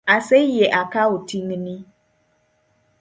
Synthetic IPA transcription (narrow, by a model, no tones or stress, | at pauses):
asɛjɛʔakʰawʊtʰiŋnĩ